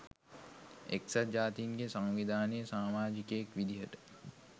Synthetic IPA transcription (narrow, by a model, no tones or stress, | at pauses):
eksad͡ʒaːt̪iːŋɡesaŋʋid̪ʱaːnəjəsaːmaːd͡ʒikəekʋid̪ʱiɦəʈə̥